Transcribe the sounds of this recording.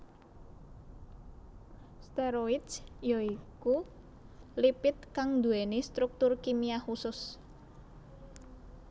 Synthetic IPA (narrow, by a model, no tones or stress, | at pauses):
st̪ɛɾoɪt͡ʃjɔiku | lipɪt̪̚kaŋd̪ṳenest̪ɾuk̚t̪ʊrkimiahusʊs